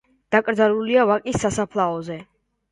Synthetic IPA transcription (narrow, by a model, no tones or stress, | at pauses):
d̪̥akʼɾd̪zaluliavakʼisːasapʰlˠaɔzɛ